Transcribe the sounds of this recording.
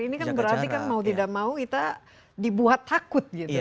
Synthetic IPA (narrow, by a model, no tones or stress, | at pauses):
inikanbəɾart̪ikanmaut̪̬idaʔ̚maukit̪a | dibuɦat̪ʰːakʊt̪̚ɡit̪u